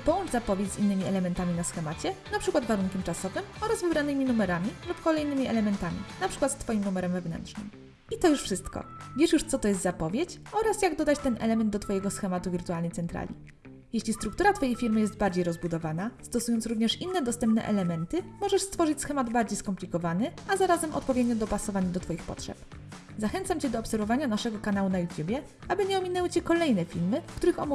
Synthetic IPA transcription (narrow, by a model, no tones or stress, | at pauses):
pɔwɔnzapɔvʲjet͡ɕzinːɘmʲiɛlɛmɛnt̪amʲinasxɛmat͡ɕɛnapʂɘkwad̪vaɾuŋkʲɛmt͡ʂasɔvɘmɔɾazvɘbɾanɘmʲinumɛɾamʲilupkɔlɛjnɘmʲiʔɛ̰lɛmɛnt̪amʲḭnapʂɘkwat̪st̪fɔjimnumɛɾɛmvɛvnɛ̰ntʂnɘ̰m | it̪ɔjuʂfʂɘst̪kɔ̰vʲjɛʂjuʂt̪sɔt̪ɔjɛst̪zapɔvʲjet͡ɕɔɾasjaɡd̪ɔd̪at͡ɕt̪ɛnɛlɛmɛnd̪d̪ɔt̪fɔjɛɡɔsxɛmat̪uvʲiɾt̪ualnɛjt̪sɛnt̪ɾa̰lʲḭ | jeɕlʲist̪ɾuk̚t̪uɾat̪fɔjejfʲiɾmɘjɛst̪̚baɾd͡ʑejɾɔzbud̪ɔvanast̪ɔsujɔntsɾuvɲɛʂinːɛd̪ɔst̪ɛmp̚nɛ̰ʔɛ̰lɛmɛnt̪ɘmɔʐɛʂst̪fɔʐɘt͡ɕʲsxɛmad̪baɾd͡ʑejskɔmplʲikɔvanɘʔazaɾazɛmʔɔ̰t̪pɔvʲjɛd̪ɲɔd̪ɔpasɔvaɲad̪ɔt̪fɔjixpɔ̰tʂɛ̰p | zaxɛnt̪samt͡ɕɛd̪ɔːpsɛɾvɔvaɲanaʂɛɡɔkanawunajut̪ʲjubʲjɛ | abɘɲɛɔmʲinɛwɘt͡ɕɛkɔlɛjnɛfʲilmɘfkt̪uɾɘxɔm